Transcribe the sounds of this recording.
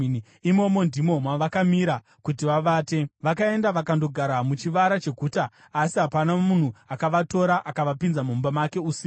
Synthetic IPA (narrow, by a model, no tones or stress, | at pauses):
imo̞mo̞ndʱimo̞mwaʋakamiɾa | kutiʋaʋaːte̞ʋakae̞ndaʋakando̞ɡʱaɾamut͡ʃiʋaɾat͡ʃe̞ɡʱuːtaː | siɦapanamun̤uakaʋato̞ɾaʔakaʋapinzamumbamake̞uːsi